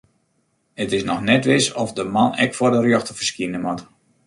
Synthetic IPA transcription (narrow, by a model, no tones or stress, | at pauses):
ətɪsnɔxnɛtʋɪsɔfdəmanɛ̰kfɔdərjoxtəfəskinəmɔt